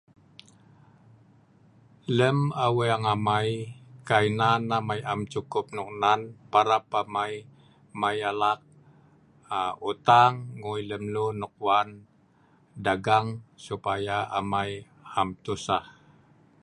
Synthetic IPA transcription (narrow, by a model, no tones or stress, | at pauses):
ləmaweaŋamajkainanːamajamt͡ʃukʊp̚nuk̚nanpaɾapamaj | majalak̚ | aut̪aŋːujləmlunuk̚wan | daɡaŋsupajaamaj | amt̪usah